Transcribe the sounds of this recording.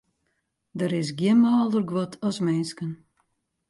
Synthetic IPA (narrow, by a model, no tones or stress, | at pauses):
dəɾɪs̬ɡjənmaːlˠdərɡwɔtʰɔsmɛnskən